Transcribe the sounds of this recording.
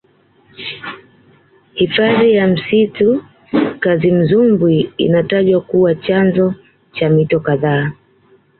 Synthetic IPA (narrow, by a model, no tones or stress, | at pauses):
hifaðijam̩situ | kazim̩zumbwiḭnataʄwakuwat͡ʃanzɔ | t͡ʃamitɔkaðaː